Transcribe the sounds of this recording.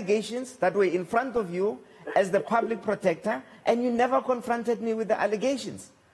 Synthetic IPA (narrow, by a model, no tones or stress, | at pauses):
ɡeʃɔ̃nsðatwɛĩnfɹãntɔfju | ɛzðəpʰablik̚pʰɹɔtʰɛk̚tʰaʔɛ̃ndjunɛvakʰɔ̃nfɹɔ̃ntɛdmiwiθðəʔalɛɡeʃɔ̰̃ns